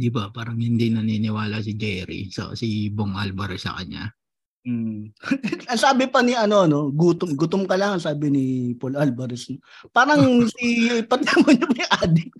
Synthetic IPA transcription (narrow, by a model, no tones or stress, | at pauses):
d̪ɪbapaːɾɐŋhɪnd̪inɐninɪwaːlɐsɪd͡ʒɛːɾḭsɐ̰siboŋʔa̰lbɐɾɛsːɐ̰kɐ̰ɲa̰ | m̩ː | ɐŋsaːbɪpɐniɐno̞ɐno̞ɡuːt̪omɡʊt̪omkɐlaŋɐsaːbɪnɪpolʔalbɐɾɛsnpaːɾɐŋsipɐt̪ɛmoɲɐpɐjɐŋʔaːd̪ɪ